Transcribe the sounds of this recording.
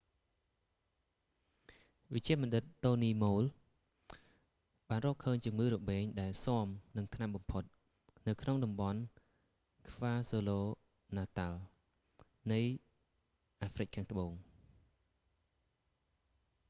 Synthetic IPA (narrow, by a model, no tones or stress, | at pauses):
ʋɨc̚t͡ɕĭəmɑnɗɨt̪̚ːoːniːmoːl | ɓaːnrɔːhkʰəːɲt͡ɕŭəŋːɨːɾɔɓeːŋɗaɛlsŏəmnɨŋt̪ʰnamɓɑmpʰot̪̚ | nɨwkʰnoŋɗɑmɓɑn | kʰʋaːsoːloː | naːt̪al | nɨj | ʔaːfrɨc̚kʰaːŋt̪ʰə̆ɓoːŋ